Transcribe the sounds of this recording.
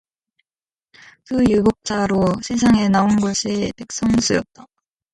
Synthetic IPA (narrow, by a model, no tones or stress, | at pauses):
kɯjuɡok̚t͡ɕ͈aɾosʰes̬ʰaŋe̞naonɡʌɕʰitek̚s͈ʌŋs͈ʰujʌt̚t͈a